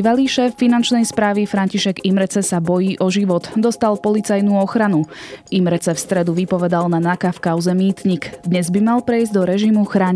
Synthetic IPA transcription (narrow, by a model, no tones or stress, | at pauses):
ʋaliːʃɛːfːinant͡ʃnɛjspɾaːʋifɾanciʃɛɡimɾɛt͡sɛsabɔjiːʔɔʒiʋɔt̪d̪ɔst̪alpɔlit͡sajnuːɔxɾanuʔimɾɛt͡sɛfst̪ɾɛd̪uʋipɔʋɛd̪alnanakafkaʊzɛmiːt̪ɲikd̪ɲɛzbimalpɾɛjzɟd̪ɔɾɛʒimuxɾaːɲ